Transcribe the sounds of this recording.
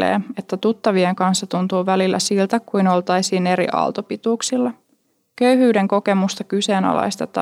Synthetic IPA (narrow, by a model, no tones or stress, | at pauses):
ḛːe̞t̪ːæt̪ut̪ːɑʋieŋkɑnsːɑt̪unt̪uːʋælilːæ̰silt̪ækujno̞lt̪ɑjsiːne̞ɾḭʔɑ̰lˠt̪opit̪uːksilːɑ | køyɦyːde̞ŋko̞ke̞must̪ɑkyse̞ːnɑ̰lɑ̰jst̪et̪ɑ